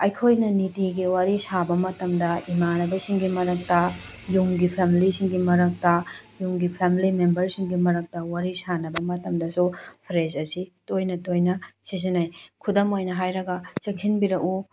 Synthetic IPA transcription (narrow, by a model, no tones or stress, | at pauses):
ɐjkʰojnɐnitiɡiwaɾisabɐmɐtɐmdɐimanɐbɐsiŋɡimɐɾɐk̚tɐ | juŋɡipʰemilisiŋɡimɐɾɐk̚tɐjuŋɡipʰemilimembɐɾsiŋɡimɐɾɐk̚tɐwaɾisanɐbɐmɐtɐmdɐsupʰɾezɐsitojnɐtojnɐsis̬inajkʰudɐmojnɐɦajɾɐɡɐt͡ʃeŋsʰinbiɾɐku